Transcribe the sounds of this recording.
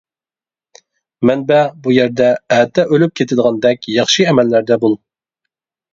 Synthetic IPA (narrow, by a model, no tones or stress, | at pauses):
mɛnbɛbujɛɾd̪ɛæt̪ʰːɛʔølyp̚kʲʰet̪ʰɪd̪əʁɑnd̪ɛk̚ʲjɑχʃɨɛmælːæɾd̪ɛbulˠ